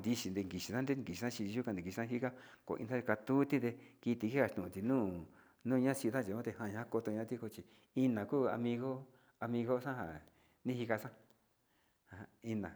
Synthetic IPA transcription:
nd̪i˧ʃi˧nd̪e˧ŋɡi˨ʃi˧sã˦d̪e˦˧ki˨i˧ã˦t͡ʃi˧i˧ʒu˦kã˧d̪i˨i˧ʃi˧ã˦ɦi˦ka˦ko̰˨ʔḭ˧a˦˧ka˧t̪u˦t̪i˦d̪e˧ki˧t̪i˧ki˦a˧˨t̪ũ˨ũ˨˧t̪i˨nũː˦ | nũ˦˧ɲã˦si˧t̪ã˦˨t͡ʃi˨ã˦t̪e˧hã˧˨ɲã˧˦ko˧t̪o˧ɲã˦t̪i˦ko˧t͡ʃi˧ | i˧nã˨kuː˦a̰˧mĩ˧ɣo˦ | a˧mĩ˧ɣo˦sã˦ɦa̰˨ | nĩ˦hi˧ka˧sã˦ | ha˨˧i˧nã˨

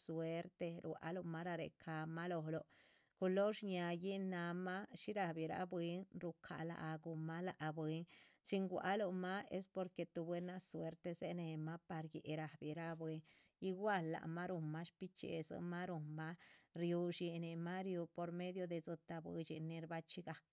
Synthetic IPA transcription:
swe˦ɾt̪e˧ɾwa̰˧˦lo˧ma˦ɾa˧ɾḛ˨kʰa˨ma˦lo˧˨lo˨ | ku˧lo˦ʃɲa˧ji˦na˧ma˦ʃi˦ɾa˨bi˨ɾa̰˧˦bwe˦nɾu˧kʰa̰˨la̰˨ʔɡu˨ma˦la˨ʔbwe˧nt͡ʃi˦ŋɡʷa̰˧˦lo˧ma˦ḛ˦s̬po˧ɾke˧t̪u˨˧bwe˦na˧swe˦ɾt̪e˧se˦ne˨ma˦pa˧ɾjḛ˨ɾa˨bi˨ɾa˦bwe˧n | i˧ɡwa˦lːa̰˨ma˦ɾu˨ma˦ʃpi˦t͡ʃḛ˨zɨ̰˧ma˦ɾu˨mːa˦ɾju˧ʃi˧ne˨ma˦ɾju˧po˨ɾme˦d̪jo˧d̪e˧zɨ˧t̪a˧bwḛ˧t͡ʃḭ˧ni˧ɾba˧t͡ʃi˦ɡa˨k̚

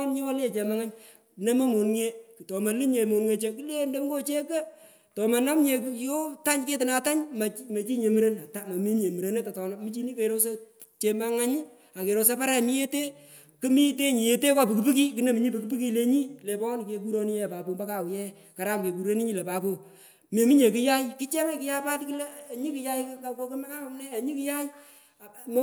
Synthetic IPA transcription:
nɲi˦wo˦lt͡ʃe˨ma˦ŋa˦ɲ˨ | nɐ˦ma˦mo˨nŋe˦ktɔ˨ma˨li˦ɲe˨mo˨nŋe˨t͡ʃe˦kɨ˦le˦nde˦ŋɡo˦t͡ʃe˦kə˦ | tɔ˨ma˨na˦mɲe˨kjo˦ta˦ɲke˦tɪ˨na˨ta˦ɲma˨me˨t͡ʃi˦ɲe˨mɨ˦ɾe˦na˨ta˦ma˨mi˦ɲe˨mɨ˨ɾe˨˦ne˦ta˨tɔ˨na˨mɨ˨˦t͡ʃi˦ni˦ke˨ɾo˦s̬a˦ | t͡ʃe˨ma˦ŋa˦ɲ˦ | a˨ke˨ɾo˨s̬a˦pa˦ɾɛ˦mi˦je˦te˦ | kɨ˦mi˦te˦ɲi˨e˨te˦ka˦˨pɨ˨kɨ˨pi˦ki˦kɨ˨ne˦mi˨˦ɲi˦pə˨kɨ˦p̬i˦ki˦le˦ɲi˦le˨pɔ˦n˨ke˨k̬u˦ɾo˦ni˦je˦˨pa˨po˨mba˦ka˨wjɛ˦ | ka˨ɾa˦mke˨ku˨ɾe˦ni˦ɲi˦le˨pa˨po˨ | me˨mi˦ɲe˨ki˦ja˦jki˦t͡ʃɛ˦mɛ˦kɪ˦ja˦pa˦tki˦lɛ˦˨ɲi˦kɨ˦ja˦jkka˨ko˦kɪ˦mɛ˦ka˦ka˨mnɛ˦a˨ɲi˦ki˦ja˦j

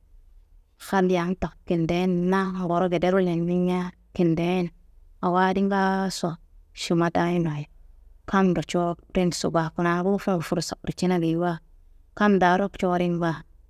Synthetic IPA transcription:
xa˦n˦ja˨˦ŋta˨kki˨nde˦nna˦˨bo˨ɾo˦ɡe˨de˦ɾu˦le˨nni˦ɲa˦ | ki˨nde˦n | a˨wa˦di˦ŋɡa˦sa˨ʃu˨ma˦ta˦ji˦nwa˨jka˦mdo˨t͡ʃo˦pɾi˦nsṵ˨ɡa˨ku˨na˨bu˦fe˦˨fu˨ɾsa˨kɾi˨t͡ʃi˦na˦ɡi˨˦wa˦ | ka˦mda˨˦ɾo˦kt͡ʃoː˦ɾi˦nba˦

